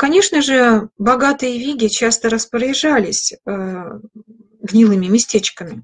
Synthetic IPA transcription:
kɐnʲe̞ʂnəʐɨbɐɡat̪ɨjəvʲiɡʲɪt͡ɕast̪əɾəspɾəɾʲɪʐalʲɪsʲə | ɡnʲilˠɨmʲɪmʲɪsʲtʲet͡ɕkəmʲɪ

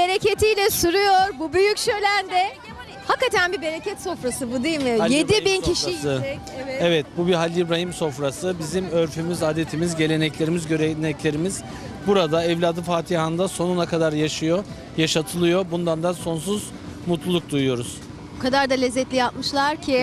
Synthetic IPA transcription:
be̞ɾecet̪ʰijlʲɛsuɾujoɾbubyjycʃø̞jlʲænd̪ɛ | hakːat̪ʰænbibe̞ɾecʰɛt̪so̞fɾasɯbud̪ijilʲmijed̪ibincʰiʃisɯ | ɛvɛt̪̚bubiɦalʲːibɾaɦimso̞fɾasɯbizimøɾfymizad̪e̞t̪ʰimizɟe̞lʲe̞nɛclʲe̞ɾimizɟøɾɛnɛclʲe̞ɾimiz̥ | buɾad̪aɛvlʲaːd̪ɯfaːt̪ʰihand̪aso̞nunakʰad̪aɾjaʃɯjo | jaʃat̪ʰɯlˠɯjo̞bund̪and̪anso̞ns̬uz̥ | mut̪lˠulˠuk̚d̪ujujo̞ɾuz̥ | bukad̪aɾd̪alʲezːɛt̪lʲijapmɯʃlˠaɾcʰɪ

